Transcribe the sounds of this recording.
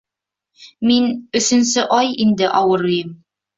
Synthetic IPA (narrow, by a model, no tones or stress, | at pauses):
minɵ̆sɵ̆nsɘʔɒjind̪ɘʔɒwɤɾɤ̆jɤm